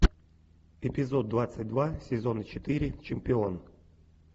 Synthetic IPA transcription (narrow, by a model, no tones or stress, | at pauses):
ɪpʲɪzod̪̚d̪vat̪sɨt̚ʲd̪vasʲɪzonət͡ɕɪt̪ɨɾʲɪt͡ɕɪmʲpʲɪon